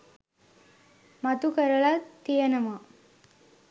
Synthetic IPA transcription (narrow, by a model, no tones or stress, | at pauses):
mat̪ukəɾəɭat̪ːijənɐma